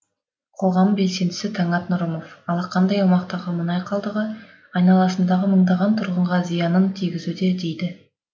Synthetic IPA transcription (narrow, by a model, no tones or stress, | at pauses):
qʰo̞ʁɑmbe̞lse̞nd̪ɪsɪt̪ʰɑɴɑt̪nʊɾəmo̞fɑlˠɑqʰɑnd̪ɑjɑwmɑqt̪ɑʁəmənɑjqʰɑlˠd̪əʁə | ɑjnɑlˠɑsənd̪ɑʁəməɴd̪ɑʁɑnt̪ʰʊɾʁəɴʁɑzijɑnənt̪ʰijɡʲɪzud̪e̞d̪e̞jd̪ɪ